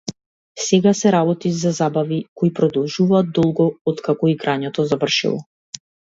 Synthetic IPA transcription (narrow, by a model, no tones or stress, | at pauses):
sɛɡasɛɾabɔt̪izazabavikɔipɾɔd̪ɔlˠʒuvaːd̪̚d̪ɔlˠɡɔɔt̪kakɔiɡɾaɲɛt̪ɔzavr̩ʃḭlˠɔ̰